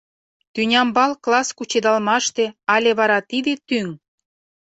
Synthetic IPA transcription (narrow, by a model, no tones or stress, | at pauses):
t̪ynʲɑmbɑlklɑskut͡ɕed̪ɑlmɑʃt̪ĕɑlʲeβɑɾɑt̪id̪et̪yŋ